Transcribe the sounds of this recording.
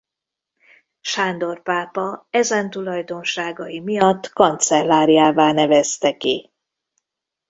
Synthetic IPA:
ʃaːnd̪o̞rpaːpɒɛzɛnt̪ulɒjd̪o̞nʃaːɡɒjimijɒt̪ːkɒnt̪sɛlːaːɾijaːvaːnɛvɛst̪ɛki

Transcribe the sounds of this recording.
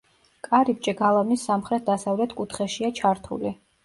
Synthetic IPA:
kʼaɾip̚t͡ʃʼɛɡalˠavnisːamχɾɛt̪̚ʰd̪asavlɛt̪ʰkʼut̪ʰχɛʃiat͡ʃʰaɾt̪ʰṵli

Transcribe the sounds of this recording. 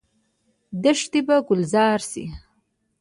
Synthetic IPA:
d̪əʂt̪ibaɡʊlzɑːɾsḭ

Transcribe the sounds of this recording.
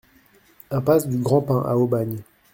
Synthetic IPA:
ɛ̃pasd̪yɡʁɑ̃pɛ̃ʔa̰obaɲ

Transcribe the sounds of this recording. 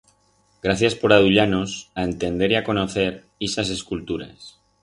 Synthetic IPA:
ɡɾaθjaspo̞ɾaðuʎanosae̞nt̪e̞nd̪e̞ɾiako̞noθe̞ɾ | isas̬e̞skult̪uɾa̰s

